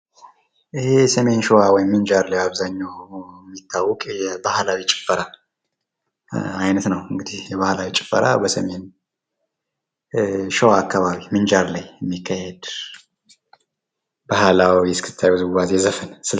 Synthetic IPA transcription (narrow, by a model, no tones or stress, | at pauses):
ʔɨhesəme̞nʃowawɔjɪmːɨnd͡ʒaɾlajaβzaɲːawmːit̪ʰːawːɔkʼjɛbahlawit͡ʃʼɪ̥fːəɾa | ajnət̪nəwɨŋɡɨd̪ihjɛβahlawit͡ʃʼɪ̥fːə̰ɾa̰bəsəme̞n | ʃowaːkʰːaβaβimɨnd͡ʒaɾlajɛmːikːahɛd̪ | bahlawijɛskʰɨt̪ʰːajəzɨwazezəfənsɨ